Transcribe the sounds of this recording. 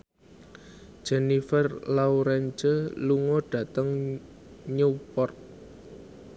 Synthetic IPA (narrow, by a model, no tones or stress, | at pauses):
d̥ʒ̥ɛnifərlawɾɛnt͡ʃəluŋɔɖ̥ä̤t̪əŋ | ɲəpɔrt̪̚